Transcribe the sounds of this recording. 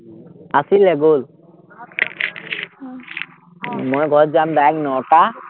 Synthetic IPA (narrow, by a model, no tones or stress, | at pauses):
asilɛɡol | mojɡʱɔɹzamdajɛk̚nɔta